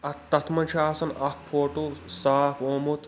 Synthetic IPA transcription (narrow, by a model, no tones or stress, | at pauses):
ɐt̪ːɐt̪ʰmɐnʲt͡ʃʰaːsɐnɐk̚pʰoːʈusaːkʰoːmut̪